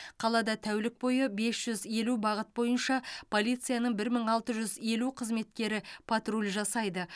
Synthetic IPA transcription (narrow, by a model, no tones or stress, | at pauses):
qʰɑlˠɑd̪ɑt̪ʰæwlɪk̚bo̞jəbe̞sʒ̥ʏze̞lubɑʁət̪̚bo̞jənʃɑpʰo̞lijt̪sɨijanəɴbɪɾməɴɑlˠt̪əʒʏze̞luqʰəzme̞t̪̚kʲe̞ɾɪpʰɑt̪rulʲʒɑsɑjd̪ə